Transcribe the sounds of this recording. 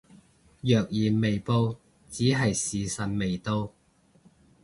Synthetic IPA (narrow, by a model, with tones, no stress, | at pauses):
jœː˨k̚jiː˨˩nme˨jpo˧w | t͡siː˨˥ɦɐ˨jsiː˨sɐ˨nme˨jt̪o˧w